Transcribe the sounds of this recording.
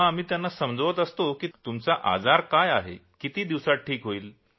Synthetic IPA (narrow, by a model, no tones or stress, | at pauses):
aam̤iːt̪janːasəmd͡zʋət̪əst̪okiːt̪umt͡saʔa̰d͡zaɾkajaɦḛkit̪iːd̪iʋsaʈʰiːkɦoiːl